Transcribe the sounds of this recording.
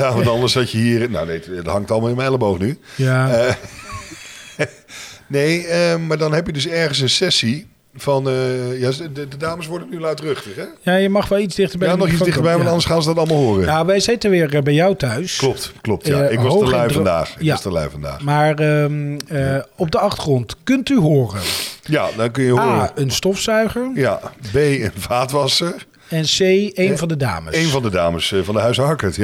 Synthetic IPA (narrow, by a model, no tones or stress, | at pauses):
jaʋɑtɑndəɹsɑcəɦiːɹno̰wnejtɦɑŋtɑlˠmalˠɪnmɛɛlˠəbowvnyja | nejəmaːɹdɑnɦɛpjədɵsɛɹχəns̬ənsɛsi | vɑnəjaːdədaːməsʋɔɹdənyʋɛlˠœtrøχtəχɛjaːjəmɑχʋɛlˠizdɪχtəbɛnɔχitsdɪχtəbɛjʋɑntɑndəsχaːnzədɑtɑlˠmalˠɦoːrəjaʋɛjzɪtənʋɪːɹbɛjɔwtœɥsklɔp̚tklɔp̚tjaɪkʋɑowəlɛjfnda̰ːχɪkjastəlɛ̰jvɑnda̰ːχmaːɹə | ɔb̚dəɑχtə̥χrɔntkɵntyɦʊːrənja̰dɔkɵnjəaʊəənstɔfsœɥχəɹja̰bejənvaːtʋɑsəɹ | ɛnsejejnvɑndəda̰ːmə̰ejnvɑndəda̰ːməsvɑndəɦœɥsɦɑɹkətj